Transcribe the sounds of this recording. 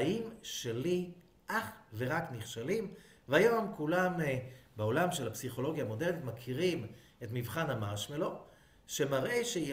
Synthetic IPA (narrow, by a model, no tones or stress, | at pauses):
imʃeli | ʔaχve̞ʁakniχʃalim | vajo̞mkulambeo̞lamʃelhapsiχo̞lo̞ɡjaːmo̞deʁnit̪makʰiʁim | e̞tmivχanamaʃmelo̞ | ʃe̞maʁʔe̞ʃej